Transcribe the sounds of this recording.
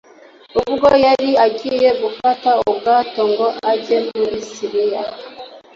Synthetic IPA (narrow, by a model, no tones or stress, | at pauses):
uβuɡojaɾiaɟijeβufatauɡatoŋɡoʔaɟemuɾisiɾija